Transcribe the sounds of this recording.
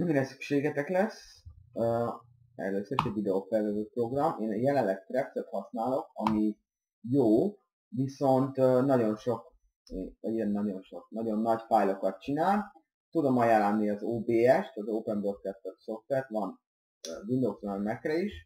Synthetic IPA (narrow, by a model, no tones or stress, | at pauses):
miɾɛsy̥kʃeːɡɛt̪ɛklɛsøː | ɛ̰løːsøɾiʃɛɟvid̪ɛofɛrzɛzøːt̪̚pro̞ɡrɒmeːnjɛlɛllɛkt̪rɛpt̪søt̪hɒsnaːlo̞kɒmi | joː | viso̞nt̪nːɒɟo̞nʃo̞kː | ɛɟɛnnːɒɟo̞nʃo̞knɒɟo̞nːɒcfajlo̞kɒt̪̚t͡ʃinaːl | t̪ud̪o̞mɒjaːlːɒnːiɒzoːbeːɛʃt̪ɒzoːpɛnbort̪kɛt̪t̪øt̪so̞ft̪ʋɛrt̪ʋɒnː | vind̪oːzønɛkrɛiʃ